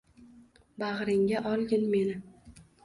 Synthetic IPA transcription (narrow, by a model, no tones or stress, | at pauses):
baʁɾɪŋɡʲaʔɒlˠɡʲɪnme̞nɪ